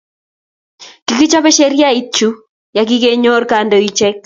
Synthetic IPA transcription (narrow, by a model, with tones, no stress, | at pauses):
ki˨ki˦t͡ʃɔ˦pɛ˦ʃɛ˦ɾja˦i˦t͡ʃu˦ | ja˨k̬ɪ˦ke˦ɲo˦rkando˨i˦t͡ʃɛ˦k̚